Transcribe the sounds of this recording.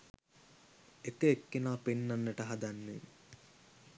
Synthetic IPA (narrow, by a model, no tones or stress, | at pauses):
ek̪eːkːenaːpenːanːəʈəɦɐd̪anːḛ